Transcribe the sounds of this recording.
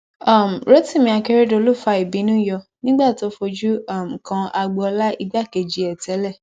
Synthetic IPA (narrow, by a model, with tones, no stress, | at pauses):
a˦˨m̩˨ɾo˦ti˦˨mĩ˧˦a˧ke˧ɾe˦do˧˦lo˦˨fa˧i˨bi˨˦nũ˦jɔ˧nĩ˦ɡ͡ba˦˨to˦fo˧d͡ʒu˦a˦˨m̩˨kã˧a˧ɡ͡bɔ˧la˦i˧ɡ͡ba˦˨ke˧d͡ʒi˧˦ɛ˨tɛ˨˦lɛ˦˨